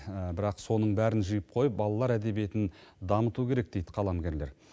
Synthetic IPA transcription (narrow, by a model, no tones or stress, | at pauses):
bɪɾɑqso̞nəɴbæɾɪnʒijəp̚qʰo̞jəp̚bɑlˠɑlˠɑɾæd̪e̞bie̞t̪ɪnd̪ɑmət̪ukʲʰe̞ɾe̞k̚d̪̥e̞jd̪ɪqʰɑlˠɑmɡʲe̞ɾle̞̰ɾ